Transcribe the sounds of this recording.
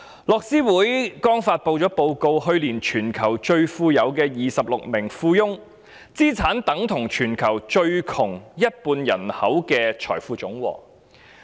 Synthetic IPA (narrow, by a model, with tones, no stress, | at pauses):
lɔː˨˧k̚siː˥wuː˨˥jkɔː˥ŋfaː˧t̚po˧wt͡ʃɔː˨˥po˧wko˧whɵ˧ɥliː˨˩nt͡ʃʰyː˨˩nkʰɐ˨˩wt͡ʃɵ˧ɥfuː˧jɐ˨˧wkɛː˧jiː˨sɐ˨p̚lʊ˨k̚mɪ˨˩ŋfuː˧jʊ˥ŋ | t͡siː˥t͡sʰaː˨˥nt̪ɐ˨˥ŋt̪ʰʊ˨˩ŋt͡ʃʰyː˨˩nkʰɐ˨˩wt͡ʃɵ˧ɥkʰʊ˨˩ŋjɐ˥t̚puː˧njɐ̰˨˩nhɐ˨˥wkɛː˧t͡ʃʰɔ̰ː˨˩jfuː˧t͡sʊ˨˥ŋwɔ̰ː˨˩